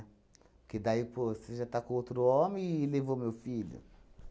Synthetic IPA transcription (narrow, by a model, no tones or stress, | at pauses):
kɪd̪aiposeʒat̪akõowt̪ɾʊõmɪ̃levowmewfiʎʊ̰